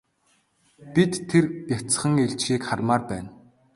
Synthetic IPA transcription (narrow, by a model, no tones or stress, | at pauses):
pit̪ʰːerjat͡s̆χə̆ŋeɮt͡ɕxiːkχarmaːrpæːn